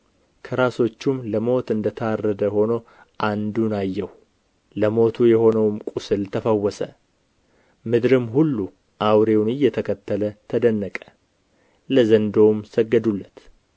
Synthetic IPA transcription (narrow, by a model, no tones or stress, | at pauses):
kʰəɾaso̞t͡ʃːumləmo̞t̪ɨnd̪ət̪ʰəarːəd̪əho̞no | ʔand̪unajːɛh | ləmo̞t̪ʰujɛho̞nəwmkʼusɨlt̪ʰəfəwːɔsə | mɨd̪ɾɨmɦulːu | ʔawɾe̞wnɨjːɛt̪ʰəkʰət̪ːələt̪ʰəd̪ənːəkʼə̥ | ləzənd̪o̞msəɡːəd̪ulːət̪